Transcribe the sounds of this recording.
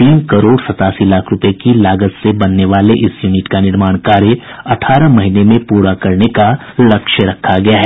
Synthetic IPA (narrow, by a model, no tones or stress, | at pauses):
t̪iːnkɐɾoːɽsɐt̪aːsilaːkʰɾʊpekilaːɡət̪sebɐnːeʋaːleʔɪsjuːnɪʈkanɪɾmaːɽ̃kaːɾjə | ɐʈʰaːɾamɐɦinemẽpuːɾakɐɾneka | lɐkʃəɾɐkʰːaɡɐjaɦɛː